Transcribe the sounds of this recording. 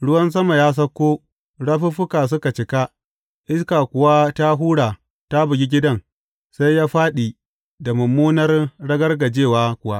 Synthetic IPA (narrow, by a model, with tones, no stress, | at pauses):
ɽʊ˦wɐ˦ns̬ɐ˦ma˨jaː˦s̬ɐ˦kʷːoː˦ | ɽa˦ɸi˦ɸʊ˦kaː˨s̬ʊ˦ka˨t͡ʃɪ˨ka˦ | ʔɪ˦ska˨kʷʊ˨wa˦ta˦ɦuː˦ɽaː˨ | ta˦bʊ˨ɡʲi˦ɡʲɪ˦dɐ˦ŋ | sa˦jjaː˦ɸaː˦ɗiː˨ | da˨mʊ˨mːuː˦nɐ˦rɽɐ˦ɡɐ˦rɡɐ˨d͡ʒeː˦˨waː˦kʷʊ˨wa˦ʔ